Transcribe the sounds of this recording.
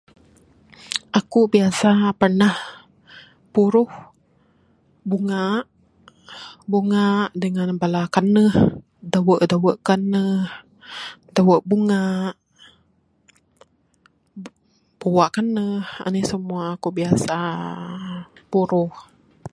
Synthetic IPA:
ʔakubiasapərnah | puɾʊh | buŋaʔ | buŋaʔdəŋanbalakanəh | dawəʔdawəʔkanəh | dawəʔbuŋaʔ | b̥uwaʔkanəha̰nəsəmuaːkubiasa | puɾʊh

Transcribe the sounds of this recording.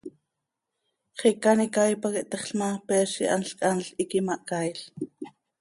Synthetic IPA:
χikanikajpakiʔt̪aχɬmapeːʃiʔa̰nɬkʼanɬikimɑʔkajɬ

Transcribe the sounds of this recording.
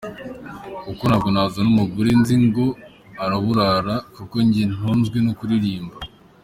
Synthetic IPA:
ukonaɡonazanumuɡuɾinziŋɡo | aɾaβuɾaɾakuko̞ɲɟin̥uːnzɡwinokuɾiɾiːmba

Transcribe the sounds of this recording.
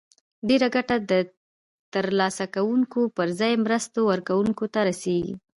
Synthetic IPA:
ɖeɾaɡaʈad̪ə | t̪əɾlɑsakawuŋkopəɾzɑjmɾəst̪owəɾkawuŋkot̪aɾaseɡḭ

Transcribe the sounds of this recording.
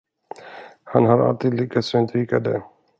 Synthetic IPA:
hanɦaɾa̰lt̪iːd̪liːkasʏnt̪ʰɾiːkad̪ɛ̰

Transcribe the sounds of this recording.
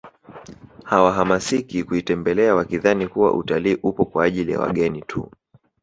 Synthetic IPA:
hawaɦamasikikuitɛmbɛlɛawakiðanikuwa̰ʔutaliːʔupɔkwaːʄilija̰wa̰ɠɛnitʰṵ

